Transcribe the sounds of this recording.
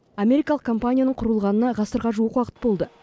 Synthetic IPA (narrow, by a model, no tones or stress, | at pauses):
ame̞ɾijkɑlˠəqkʰo̞mpanʲijanəɴqʰʊɾəlˠʁɑnənɑʁɑsəɾʁɑʒuwəqwɑqə̥t̪̚bo̞lˠd̪ə